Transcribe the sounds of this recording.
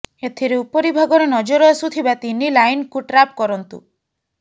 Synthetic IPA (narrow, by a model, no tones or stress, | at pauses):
et̪ʰiɾeupɔɾibʱaɡɔɾenɔd͡ʒɔɾɔasut̪ʰibat̪inːilajnkuʈɾap̚kɔɾɔnt̪ṵ